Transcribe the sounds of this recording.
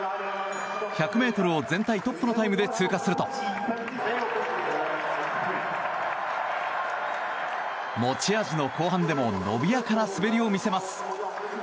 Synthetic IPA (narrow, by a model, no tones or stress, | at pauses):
çʲakɯ̟me̞ːt̪o̞ɾɯozẽ̞nt̪ait̪o̞pːono̞t̪aimɯ̟d̪e̞t͡sɨːkasɨɾɯ̟t̪o̞ | mo̞t͡ɕiaʑino̞ko̞ːɦãnd̪e̞mo̞no̞̰bʲijakanasɨbe̞ɾʲio̞mʲise̞masɨ̥